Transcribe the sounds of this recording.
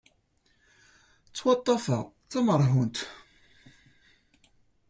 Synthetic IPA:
t͡sːwɑt̪ˤːɑfə̰ʁt͡sːɑməɾˤɦunt̪

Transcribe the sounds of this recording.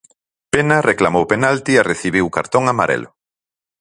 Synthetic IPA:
penarʔeklamowpenalt̪iareθiβiwka̰ɾt̪oŋamaɾḛlʊ

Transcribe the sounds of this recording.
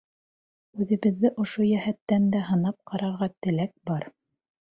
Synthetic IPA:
ʉðɘ̆βɘ̆ðːɘʔŏʃojæhæt̪ːænd̪æɦɤ̆nɑp̚qʰɑɾɑɾʁɑt̪ɘ̆læk̚bɑɾ

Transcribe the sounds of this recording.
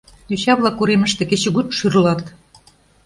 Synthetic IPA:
jyɕɑβlˠɑkuɾemə̆ʃt̪ĕket͡ɕɘ̆ɣut̪ʃyrlɑt̪

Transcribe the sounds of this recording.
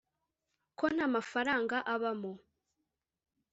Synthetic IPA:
ko̞n̥aːmafaɾaːŋɡaʔaβamo

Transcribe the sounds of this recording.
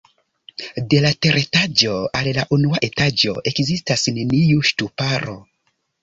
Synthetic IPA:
de̞late̞ɾetad͡ʒo̞allaʔunuaʔe̞tad͡ʒo̞̰ʔe̞kzistasne̞niuʃtupaɾo̞

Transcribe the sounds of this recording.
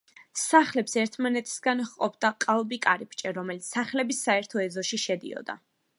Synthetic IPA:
saχlɛpsɛɾt̪ʰmanɛt̪ʰi̥sɡanχqʼɔpʰd̪aqʼalˠbikʼaɾipʰt͡ʃʼɛɾɔmɛlit̪ssaχlɛbisaɛɾt̪ʰɔɛzɔʃiʃɛd̪ḭɔ̰d̪a̰

